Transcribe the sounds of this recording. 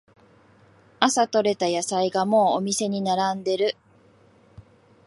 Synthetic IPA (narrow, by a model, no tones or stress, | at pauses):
asat̪o̞ɾe̞t̪ajasaiɡamo̞ːomʲise̞ɲ̟inaɾãnd̪e̞ɾɯ̟